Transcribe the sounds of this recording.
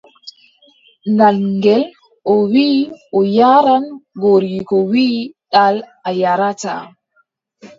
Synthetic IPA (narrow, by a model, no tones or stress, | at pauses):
nalŋɡɛl | ʔɔwiːʔɔjaɾanɡoɾikɔwiːɗal | ajaɾata̰